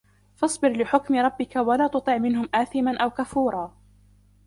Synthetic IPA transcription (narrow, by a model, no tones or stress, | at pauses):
fɑsˤbɪɾlɪħʊkmɪɾˤɑbːɪkawalaːt̪ʊt̪ˤɨʕmɪnɦʊmʔaːθɪmanʔawkafuːɾˤɑː